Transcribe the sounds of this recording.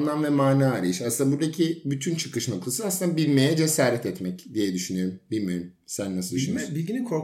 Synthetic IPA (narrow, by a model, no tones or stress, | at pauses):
lˠanvɛmaːnaːɾajɯʃasɯnd̪abuɾd̪acʰibyt̪ʰynt͡ʃʰɯ̥kɯʃnoklˠasɯasɯnd̪abilʲmejɛd͡ʒesaːɾɛt̪ɛt̪mɛcd̪ijɛd̪yʃynyjo̞ɾumbilʲmijoɾum | sænːasɯlˠd̪ʃʃnbilʲɟinikʰoɾ